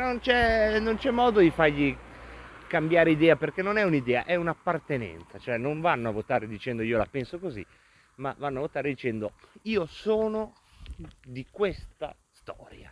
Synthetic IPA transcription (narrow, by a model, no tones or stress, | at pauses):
nont͡ʃɛnont͡ʃɛmːɔːd̪od̪ifarʎi | kambjaːɾeid̪ɛːaperk̟enːonɛunid̪ɛːa̰ʔɛunapːart̪enɛ̰nt̪sat͡ʃoɛnːoɱvanːoavːot̪aːɾed̪it͡ʃɛnd̪oiːola̰pɛnsokozḭ | ma̰vanːoavot̪aːɾed̪it͡ʃɛnd̪oiːosɔːno | d̪ikwest̪a̰ | st̪ɔ̰ːɾja̰